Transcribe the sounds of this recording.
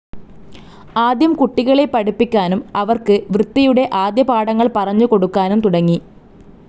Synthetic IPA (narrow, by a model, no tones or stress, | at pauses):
aːd̪jɐmkuʈːiɣɐɭe̞pːɐɽipːikʲːaːnumɐʋɐrkɨʋrɨt̪ːijuɽe̞ʔaːd̪jɐpaːɽɐŋːɐɭpɐrɐɲːuko̞ɽukːaːnumt̪uɽɐŋːi